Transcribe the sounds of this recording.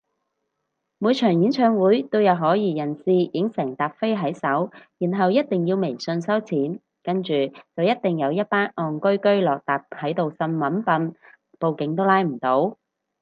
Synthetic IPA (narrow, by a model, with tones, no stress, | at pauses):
muː˨˧jt͡ʃʰœː˨˩ŋjiː˨˥nt͡sʰœː˧ŋwuː˨˥jt̪o˥wjɐ˨˧wɦɔː˨˥jiː˨jɐ˨˩nsiː˨jɪ˨˥ŋsɪː˨˩ŋt̪aː˨p̚fe˥jɦɐ˨˥jsɐ˨˥wjiː˨˩nɦɐ˨wjɐ˥t̚t̪ɪ˨ŋjiː˧wme˨˩jsɵ˧nsɐ˥wt͡sʰiː˨˥n | kɐ˥nt͡ʃyː˨t͡sɐ˨wjɐ˥t̚t̪ɪ˨˩ŋjɐ˨˧wjɐ˥t̚paː˥nɔː˨nkɵ˥ɥkɵ˥ɥlɔː˨k̚t̪aː˨p̚hɐ˨˥jt̪o˨wsɐ˧nmɐ˨˥npɐ˧n | po˨wkɪ˨˧˥ŋt̪o˥wlaː˧˥jm̩˨˩t̪o˨˥w